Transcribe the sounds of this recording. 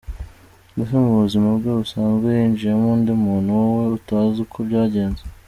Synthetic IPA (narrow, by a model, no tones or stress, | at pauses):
ɡusemuβuzimaβbɡeusaːnzɡweind͡ʒijamundemuːnuwoweutaːzukʰobɟaːɟe̞ːnze